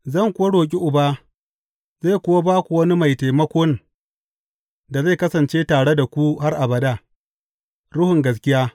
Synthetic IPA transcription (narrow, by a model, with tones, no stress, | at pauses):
zɐ˦˨ŋkʷʊ˦wa˦ɽoː˨k̬ʲʼi˦ʔʊ˨baː˦ | za˦˨kʷʊ˦wa˦baː˦kʷu˨wɐ˦ni˦ma˨jta˨jmɐ˦kʷoː˦n | da˨za˦˨kɐ˦sɐ˨nt͡ʃeː˦taː˨ɽe˦da˨kʷu˦ha˦rʔa˨bɐ˨daː˦ | ɽʊ˦hʊ˨ŋɡɐ˦s̬kʲɪ˦jaː˦